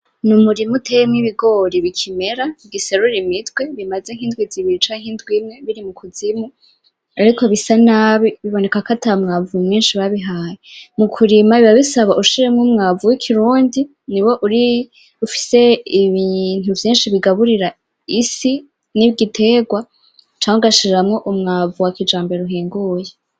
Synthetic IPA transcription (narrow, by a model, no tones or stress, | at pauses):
numuɾimutʰejemŋiβiɡo̞ɾiβikʰime̞ɾaɡiseɾuɾimitwe̞βimazeŋ̥hindwiziβiɾit͡ʃaŋ̥hindɡwimŋe̞βiɾimukuzimu | aɾiko̞βisanaβiβiβo̞ne̞kakatamŋavumŋiːnʃiβaβiɦaːjemukʰuɾimaiβaβisaβaʔuʃiɾemŋumŋaːvuwikʰiɾuːndi | niwo̞ʔuɾi | ufi̥se̞iβin̥uvjiːnʃiβiɡaβuɾiɾa | isi | niβɡitʰe̞ːɡwa | t͡ʃaːŋuɡaʃiɾeɾamŋo̞ʔumŋaːvuwakid͡ʒaːmbeɾuɦiːŋɡuːje